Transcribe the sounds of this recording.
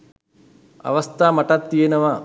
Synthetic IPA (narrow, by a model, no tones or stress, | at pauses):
ɐ̰ʋɐst̪ʰaːmɐʈɐt̪ːienɐʋa